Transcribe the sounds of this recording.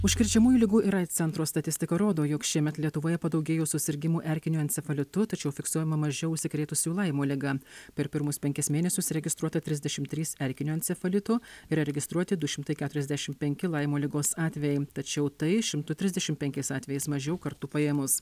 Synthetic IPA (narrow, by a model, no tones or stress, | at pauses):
ʊʃʲkʲɪɾʲt͡ʃʲɛmuːjuːlʲɪɡuːʔɪɾɐɪt̪sʲɛnt̪ɾoːst̪ɐt̪ʲɪsʲt̪ʲɪkɐɾoːd̪oːjoːkʃʲiɛmʲɛt̪lʲiɛt̪ʊʋoːjɛpɐd̪ɒʊɡʲeːjoːsʊsʲɪɾʲɡʲɪmuːʔɛɾʲkʲɪnʲuɛnʲt̪sʲɛfɐlʲɪt̪ʊt̪ɐt͡ʃʲɛʊfʲɪksuɔjɛmɐmɐʒʲɛʊʊʃʲsʲɪkɾʲeːt̪ʊsʲuːlˠɐɪmoːlʲɪɡɐpʲɛɾpʲɪɾmʊspʲɛŋʲkʲɪsmʲeːnʲɛsʲʊsɾʲɛɡʲɪst̪ɾuɔt̪ɐt̪ʲɾʲɪzd̪ʲɛʃʲɪmt̪ʲɾʲiːsɛɾʲkʲɪnʲuɛnt̪ʲsʲɛfɐlʲɪt̪ʊɪɾɾʲɛɡʲɪst̪ɾuɔt̪ʲɪd̪ʊʃʲɪmt̪ɐɪkʲæːt̪ʊɾʲɛzʲd̪ʲæʃʲɪmpʲɛŋʲkʲɪlˠɐɪmoːlʲɪɡoːsɑːt̪ʲʋʲɛjɛɪt̪ɐt͡ʃʲɛʊt̪ɐɪʃʲɪmt̪ʊt̪ʲɾʲɪzʲd̪ʲɛʃʲɪmtpʲɛŋʲkʲɛɪsɑːt̪ʲeːjɛɪsmɐʒʲɛʊkɐɾt̪ʊpɐjeɛmʊs